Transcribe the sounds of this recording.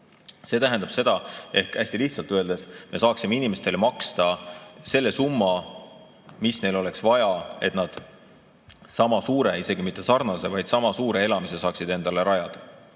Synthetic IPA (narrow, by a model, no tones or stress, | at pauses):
se̞ːt̪æɦænd̪ɑb̥se̞d̪̥ɑe̞hkæsʲt̪iliht̪sɑlt̪øe̞ld̪e̞sme̞sɑːksime̞inime̞st̪e̞lemɑkst̪ɑse̞lːe̞sumːɑ | misne̞jlo̞le̞ksvɑjɑe̞t̪nɑd̪̥ | sɑmɑsuːɾe̞ise̞ɡimit̪ˑːe̞sɑɾrnɑse̞vɑjd̪̥sɑmɑsuːɾe̞e̞lɑmisesɑːksid̪̥e̞nd̪̥ɑle̞ɾɑjɑd̪̥ɑ